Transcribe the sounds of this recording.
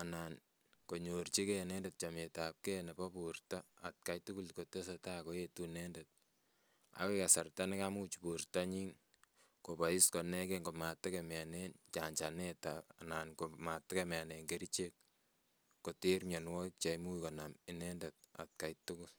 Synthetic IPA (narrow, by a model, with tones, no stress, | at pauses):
a˨nan | ko˨ɲo˨rt͡ʃi˦ke˦nɛ˦nde˨t̚t͡ʃa˨me˨ta˨p̚ke˦nɛ˨pɔ˦purta˦a̰˨t̚ka˨jtu˦ku˦lko˨te˦sɔ˨ta˦ko˦jetunɛ˦ndet̚ | a̰˦we˦ka˨sa˨rta˦nɛ˦ka˦mu˦t͡ʃipurta˦ɲi˦n | ko˨pa˨i˦skɔ˨nɛ˦ke˦ŋɡo˨ma˨tːe˦kemja˨nent͡ʃa˨ɲt͡ʃa˨netaananko˨ma˨tːɛ˦kemɛ˨a˨ne˨ŋɡe˦ɾit͡ʃe˦k̚ː | o˨te˦ɾmje˨nwɔ˦k̚t͡ʃa˨mu˦kɔ˨namɪ˨nɛ˦ndet̚a̰˨t̚ka˨jtukul